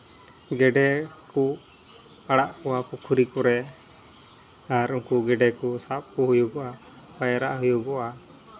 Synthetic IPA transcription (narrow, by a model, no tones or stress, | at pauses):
ɡɛɖɛku | aɽaʔkɔwapukʰuɾikɔɾɛ | aɾuŋkuɡɛɖɛkɔsap̚kɔɦujuɡɔʔa | pajaɾaʔɦujuɡɔʔa